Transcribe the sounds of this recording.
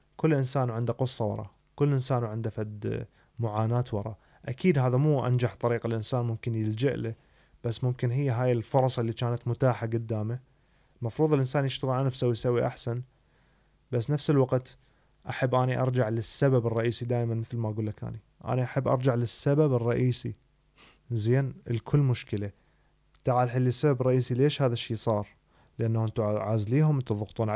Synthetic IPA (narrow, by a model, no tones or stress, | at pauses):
kʊlːʔɪnsaːnwʕɪnd̪aqʊsˤːɑwɑ̰ɾˤɑ̰ | kʊlːʔɪnsaːnwʕɪnd̪afad̪ | mʊʕaːnaːt̪wɑɾˤɑ̰ | ʔakiːd̪ɦaːðamuːʔa̰nd͡ʒaħt̪ˤɑɾiːqalʔɪnsaːnmʊmkɪnjɪld͡ʒɪʔla | b̥asːmʊmkɪnɦɪjːaɦaːjɪlfʊɾˤɑsˤɪlːit͡ʃaːnat̪mʊt̪aːħaɡʊd̪ːaːma | mɑfɾˤuːðˤɪlʔɪnsaːnjɪʃt̪aɣɪlʔanfsawisawːiʔaħsan | basːnafsɪlwaqt̪ | ʔaħabːʔaːniʔɑ̰ɾˤd͡ʒaʕlɪsːababɨrˤːɑʔiːsid̪aːjmanmɪθlmaʔaɡuːlːakʔa̰ːni | ʔa̰ːniʔaħabːʔɑ̰ɾˤd͡ʒaʕlɪsːababɨrˤːɑʔiːsi | zeːnɪ̰lkʰʊlːmʊʃkɪla | t̪aʕaːlħɪlːisːababrˤɑʔiːsileːʃhaːðaʃːiːsˤɑːɾˤ | lʔanːahɪnt̪ʊʕaːzliːɦʊmʔɪnt̪ʊðˤʊɣt̪ˤuːnʕ